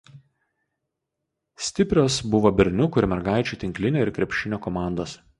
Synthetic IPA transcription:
sʲt̪ʲɪpʲɾʲoːsbʊʋoːbʲɛɾʲnʲʊkʊɪɾmʲɛɾɡɑˑɪt͡ʃʲuːˑt̪ʲɪŋʲklʲɪnʲoːɪɾkɾʲɛpʲʃʲɪnʲoːkɔmɑˑnd̪oːs

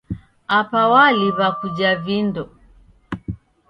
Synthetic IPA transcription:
apawaliβakud͡ʒavindɔ

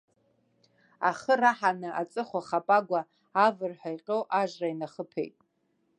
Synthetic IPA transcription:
a̰χəraħanɨʔa̰t͡sʼɨχʷaχapʼaɡʷaː | vɨrħʷajqʲʼowʔaʒrainaχəpʰḛjtʼ

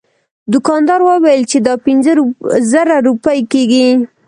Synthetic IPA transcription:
d̪ʊkɑnd̪ɑɾwəwajəlt͡ʃed̪ɑpɪnzəɾzəɾaɾupəjkeɡi

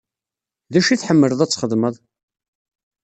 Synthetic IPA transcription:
ðæʃiθħəmːələðˤæt͡sːχəðməðˤ

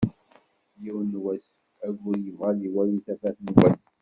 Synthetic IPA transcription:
jiwənːwæs | æɡʊɾjəvʁaliwæliθæfæθnwæs

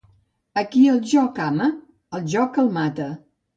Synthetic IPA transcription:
əkiəlˠʒɔkamə | əlˠʒɔkəlˠmat̪ə

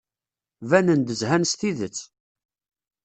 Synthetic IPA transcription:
vænənd̪əzhænst̪iðət͡sː

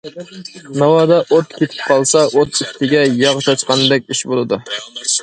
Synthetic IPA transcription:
nɑwɑd̪aʔot̪̚kʲʰet̪ʰɪ̥p̚qʰɑlˠsɑʔot̪ɪkʲt̪ʰɪɡʲɛjɑʁt͡ʃʰɑt͡ʃqɑnd̪ɛk̚ʲiʃbolˠɨd̪ʊ

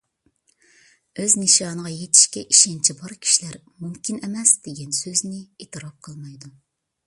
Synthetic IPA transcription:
øzniʃɑːnəʁɑjet̪ʰi̥ʃkʲɛʔiʃɛnt͡ʃʰibɑɾkʲʰi̥ʃilæɾ | mumkʲʰinɛmɛsd̪̥eɡʲɛnsøznɪeːt̪ʰɨɾɑp̚qʰəlˠmɑjd̪u

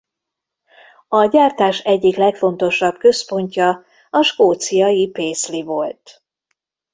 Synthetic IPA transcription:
ɒɟaːrt̪aːʃɛɟːiklɛkfo̞nt̪o̞ʃɒbkø̞spo̞ɲcɒ | ɒʃkoːt̪sijɒjipeːslivo̞lt̪

